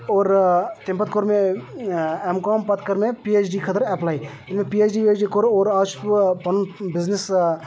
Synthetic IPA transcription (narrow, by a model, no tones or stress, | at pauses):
oːɾt̪ɪmpət̪koɾmẽ | emkaːmpɐt̪kəɾmẽpieːt͡ʃɖiːkʰət̪əɾɛplaːi | ɪnmẽpieːt͡ʃɖiːbeːt͡ʃɖikoɾoːɾat͡ʃpɐnbɪznɪs